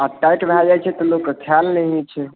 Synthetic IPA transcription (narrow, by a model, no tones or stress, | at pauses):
aʈajʈbʱɾad͡ʒat͡ʃʰɛt̪ɔlokːkʰjalneɦit͡ʃʰɛ